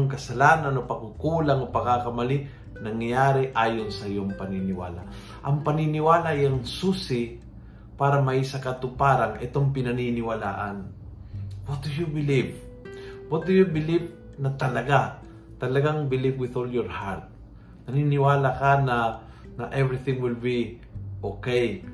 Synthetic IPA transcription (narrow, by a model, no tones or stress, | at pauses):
ŋkɐsɐlaːnanopɐkukuːlaŋopɐkakɐmɐli | nɐŋjjaːɾɪʔaːjonsɐɪjoŋpɐninɪwa̰ːla̰ | ʔɐŋpɐninɪwaːlajaŋsusɪ | paːɾɐmɐʔisɐkɐt̪ʊpaɾaŋɛt̪o̞ŋpɪnɐninɪwɐla̰ːʔan | wɔt̪̚d̪ujubɪliv | wɔt̪̚d̪ujubɪliv̚ | nɐt̪ɐlɐɡa | t̪ɐlɐɡaŋbɪlibwɪðoljɔɹhaɾt̪̚ | nɐninɪwaːlakanɐ | nɐʔɛvɾɪθɪŋwɪlbi | ʔokej